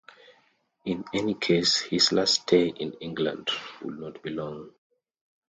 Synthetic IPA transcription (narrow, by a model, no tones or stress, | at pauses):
ĩnɛnikʰeshizlasd̥eʔɪ̃nĩŋɡlã̰ndwɪ̰dnɔt̚b̥ilɔ̃ŋ